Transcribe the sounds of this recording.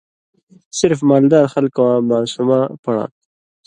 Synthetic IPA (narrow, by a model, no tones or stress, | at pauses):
sɪɾfmɑːld̪ɑːɾxalkawamɑːsumapaɽɑ̰ː